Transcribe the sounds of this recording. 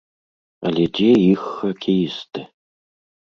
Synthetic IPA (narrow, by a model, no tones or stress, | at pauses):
ɐ̰led͡ʒejɪxːɐkʰejɪstʰɐ